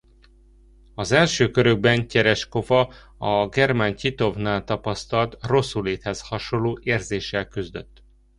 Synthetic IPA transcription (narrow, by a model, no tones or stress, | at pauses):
ɒzɛlʃøːkø̞ɾø̞ɡ̚bɛncɛɾɛʃko̞vɒ | ɒɡɛrmancit̪o̞vnaːlt̪ɒpɒst̪ɒlt̪ro̞sːuleːt̪hɛshɒʃonlːoːʔeːrzeːʃːɛlkyzd̪ø̰t̪ː